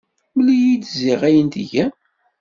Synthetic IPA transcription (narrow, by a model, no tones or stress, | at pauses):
ulijid̪ziʁæjənt̪ʝæ